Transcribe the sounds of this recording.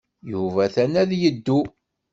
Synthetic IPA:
juvæθænæðjəd̪ːu

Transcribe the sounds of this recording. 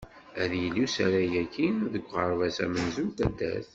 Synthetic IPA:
æðjəlːusæɾæjækːinðəɡʷʁəɾˤvæsæ̰mənzunt̪æd̪ːæ̰θ

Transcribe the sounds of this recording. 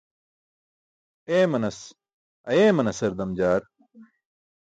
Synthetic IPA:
eːmɐnɐs | ɐjeːmɐnɐsɐɾd̪ɐmd͡ʑaːɾ

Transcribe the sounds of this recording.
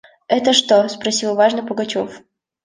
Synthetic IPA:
ɛt̪əʂt̪ospɾɐsʲilˠvaʐnəpəɡɐt͡ɕof

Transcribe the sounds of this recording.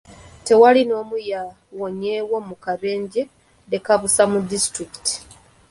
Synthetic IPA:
te̞walino̞ːmuja | woɲeːwo̞mukaβe̞ːɲɟe | de̞kaβusamudistɾiki̥ti̥

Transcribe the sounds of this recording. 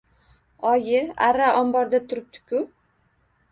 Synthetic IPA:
ɒjɪaɾaʔɒmbɒɾd̪at̪ʰʊɾɪp̚t̪ʰʊ̥kʰʊ

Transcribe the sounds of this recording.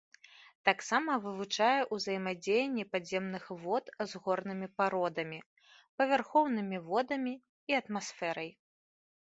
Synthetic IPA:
t̪aksamɐvɨvut͡ʂajɛʔuzɐjmad͡zʲejɛnʲːɛpad͡zʲɛmnɨxvɔt̪zɣɔrnɨmʲipaɾɔd̪ɐmʲi | pɐvʲarxɔwnɨmʲivɔd̪ɐmʲi | iɐt̪masfɛɾɐj

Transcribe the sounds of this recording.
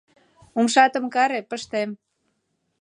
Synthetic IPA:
umʃɑt̪ə̆mkɑɾepəʃt̪em

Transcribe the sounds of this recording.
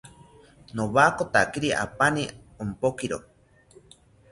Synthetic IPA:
noβakot̪akiɾiʔa̰pani | ompokiɾo

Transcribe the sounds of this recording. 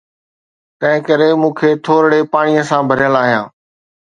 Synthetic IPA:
t̪ɐ̃ɦɪ̃kɐɾemũːkʰeːt̪ʰoːɾɽepaːɽ̃ijəsãbʱɐɾɪjəlaːɦijãː

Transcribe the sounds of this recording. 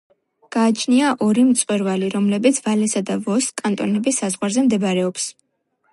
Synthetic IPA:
ɡ̥aːt͡ʃʰniaʔɔɾimt̪sʼwɛɾvaliɾɔmlɛbit̪sʰvalɛsad̪avɔskʼːant̪ʼɔnɛbisːazʁwaɾzɛmd̪ɛbɾɛɔps

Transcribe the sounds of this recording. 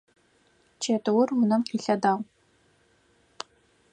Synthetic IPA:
t͡ʃʰetɨwʊrwʊnɐmqiːɬɐdaːwʷ

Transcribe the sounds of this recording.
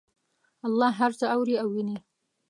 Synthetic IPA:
ɑlˠˤːɑɦaɾt̪ʰaawɾiawine

